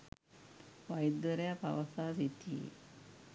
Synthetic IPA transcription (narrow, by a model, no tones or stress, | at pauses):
ʋajd̪əɾɐjapa̰ʋɐsaːsit̪ḭ